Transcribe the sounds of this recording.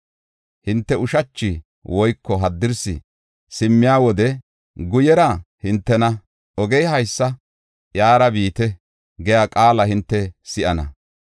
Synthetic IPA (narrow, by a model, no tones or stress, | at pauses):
hɪnt̪ːɛʊʃɐt͡ʃːɪ | wɔjkːɔɦɐd̪ːɪɾsɪ̰ | sɪmːɪjaːwɔd̪ɛ | ɡʊjɛɾɐhɪnt̪ːɛnɐ | ɔɡɛjhɐjsːɐ | jaːɾɐbiːt̪ɛ | ɡɛjaːkʼaːlɐhɪnt̪ːɛsɪʔɐnɐ̰